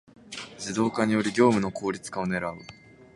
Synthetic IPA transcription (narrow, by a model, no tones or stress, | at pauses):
d͡ʑɨd̪o̞ːkaɲ̟ijo̞ɾʲiɡʲo̞ːmɯ̟no̞ko̞ːɾʲit͡sɨ̥kao̞ne̞ɾaɯ